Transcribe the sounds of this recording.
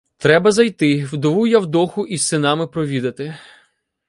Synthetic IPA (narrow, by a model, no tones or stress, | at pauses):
t̪ɾɛbɐzɐjt̪ɪwd̪ɔʋujawd̪ɔxʊʔisːɪnɑmɪpɾɔʋʲid̪ɐt̪ɪ